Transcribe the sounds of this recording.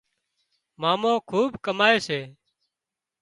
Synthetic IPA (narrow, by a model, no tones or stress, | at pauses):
maːmõːkʰuːbkəmaːeːseː